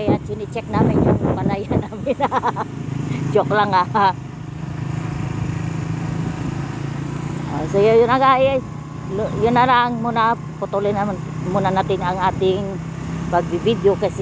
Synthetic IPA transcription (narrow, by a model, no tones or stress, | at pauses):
jat͡ʃinɪt͡ʃɛk̚namɪɲjʊŋmanajanamɪna | t͡ʃoklaŋa | osojojʊnaɡaʔɪ | ljʊnːalaŋmʊna | pʊt̪ulɪnamn | munanat̪ɪŋaŋaːt̪ɪŋ | baɡ̚bibid̪jokas